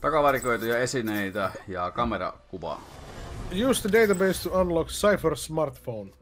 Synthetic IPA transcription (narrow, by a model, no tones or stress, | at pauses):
t̪ɑkɑʋɑrikoit̪ujɑesineit̪æjɑkɑmerɑ̰kuʋɑ̰ | jʉːsðədeɪt̪abeɪst̪uãnlɔkseɪfəɾsmɑɾt̪fõʊn